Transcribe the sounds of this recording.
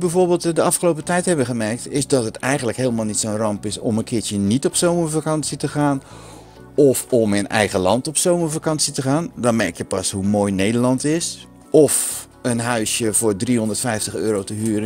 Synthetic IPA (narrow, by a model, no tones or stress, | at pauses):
bɛjvoːɹbeːlˠtdəɑfχəlowpətɛjtɦɛbəχəmɛrk̚tɪsdɔtɦətɛjxɣən̩dləkɦeːlˠmalˠnitsownrɑmpɪsɔ̰mənkʰɪːtjənitɔpsowməvakɑnsitəχaːn | ɔfɔmənɛ̰jɣəlɑ̰ntɔpsowməvakɑnsitəχaːndɔnmɛɹkjəpɑshumoːjnejdərlɑntɪs | ʔɔf | ənɦœɥsjəvʊːɹdriɦɔndətfɛjftəχøːɾowtəɦyːəɾə